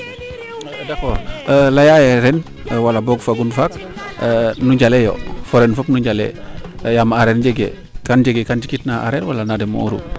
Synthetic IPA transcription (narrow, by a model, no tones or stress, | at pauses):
dakolajajɛɾɛn | walabɔɡfaɡunfak | nuɟalɛjɔ̰foɾɛnfopnuɟalɛ̰jamaaɾɛːɾd͡ʒeɡḛ | kand͡ʒeɡɛkand͡ʒikitnaʔa̰ɾɛɾwalanadɛmo̰uɾṵ